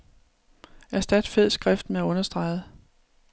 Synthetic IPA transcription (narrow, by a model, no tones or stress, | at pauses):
æsd̥æd̥feð̰ˠsɡ̥ʁɛfd̥meæɔ̽nɐsd̥ʁɑ̈ɪð̩ˠə